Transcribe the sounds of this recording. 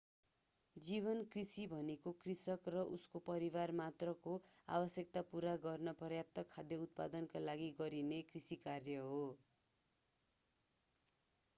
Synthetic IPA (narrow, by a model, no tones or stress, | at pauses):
d͡ziβʌnkrisibʱʌnekokrisʌkrʌʔuskopʌɾibarmat̪rʌkoa̰bʌsjek̚t̪apuɾaɡʌrnʌprʌjap̚t̪ʌkʰːad̪jʌut̪̚pad̪ʌnkalaɡiɡʌɾinekrisikarjʌɦo